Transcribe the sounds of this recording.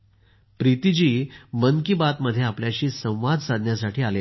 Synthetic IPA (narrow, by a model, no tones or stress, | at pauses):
pɾit̪id͡ʑiːməŋkibat̪məd̪ʱːjeapljaɕiːsə̃w̃ʋad͡zsad̪ʱnjasaʈʰiːale